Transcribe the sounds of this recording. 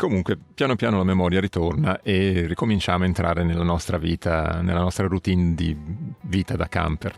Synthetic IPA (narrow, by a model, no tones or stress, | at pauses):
komuŋkwepjaːnopjaːnolamemɔːɾjaɾit̪ornaʔerːikomint͡ʃaːmoaent̪ɾʔa̰ːɾenelːanɔst̪ɾavḭːt̪anḛlːanɔst̪ɾarut̪ind̪iviːt̪ad̪aka̰mper